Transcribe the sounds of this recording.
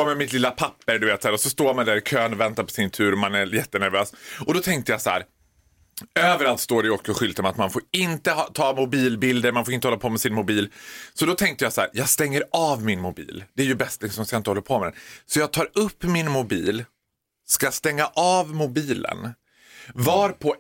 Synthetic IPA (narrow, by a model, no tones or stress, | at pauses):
mɛmɪt̪lɪlːapʰapːəɾɖ̪ɵveːt̪saæːɾɔsɔst̪oːɾmand̪æɾɪkʰøːnɔvɛnt̪aɾpʰɔ̥sɪnt̪ʰʉ̟ːɾɔmanæjɛt̪ːənæɾvøːsɔd̪ɔt̪ʰɛŋk̚t̪əjasaæ̰ːɾ | øːvəɾalt̪st̪oːɾɪoːkɔɧʏlt̪əmat̪manfoɾɪnt̪əhɑt̪ʰɑːmʊbiːlbɪld̪əɾmanfoːɾɪnt̪əhɔlːapʰɔmɛsɪnmʊbiːlsɔd̪ɔt̪ʰɛŋk̚t̪əjasæ̰ːɾjɑːɡst̪ɛŋːəɾɑːvmɪnmʊbḭːld̪̥ɛæɾjɵbɛst̪lɪsɔmskaɪnt̪əhɔlːəɾpʰomɛd̪ɛ̰nsɔjɑːɡt̪ʰɑːɾɵpːmɪnmʊbiːl | skajast̪ɛŋːaʔɑːvmʊbiːlə̰n | vɑːɾpʰɔ